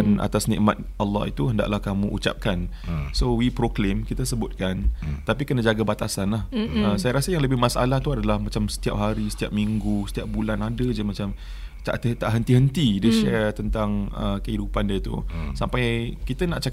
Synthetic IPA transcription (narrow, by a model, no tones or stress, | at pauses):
na̰t̪asnɛ̰ʔmat̪̚alːɔ̰ɦḭt̪uɦəndaʔlahkamuʔṵt͡ʃa̰p̚kansowipɾoklemkit̪əsəbʊt̪̚kant̪apikənad͡ʒaɡabat̪asanlahəsajaɾasəjaŋləbɪhmasa̰laht̪uadalahmat͡ʃamsə̥t̪iap̚ɦaɾisə̥t̪iap̚miŋɡusə̥t̪iap̚bulanadəd͡ʒamat͡ʃam | t̪a̰ʔt̪ət̪aʔɦənt̪iɦənt̪idəʃɛrt̪ənt̪aŋə̰kəɦidupandiət̪ṵsampajkit̪ənaʔt͡ʃak